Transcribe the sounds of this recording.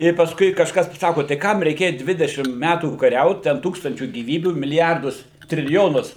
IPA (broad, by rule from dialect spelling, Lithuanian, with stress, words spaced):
ɪr pɐsˈkʊɪ kɐʃˈkɐs pɐˈsɑːkoː tɐɪ ˈkɐm rʲɛɪˈkʲeːjɛ ˈdʲʋʲɪdʲɛʃʲɪm ˈmʲætuː kɐˈrʲɛʊt ˈtʲɛn ˈtuːkstɐnʲt͡ʃʲuː ɡʲiːˈʋʲiːbʲuː mʲɪlʲɪˈjɛrdʊs tʲrʲɪlʲɪˈjoːnʊs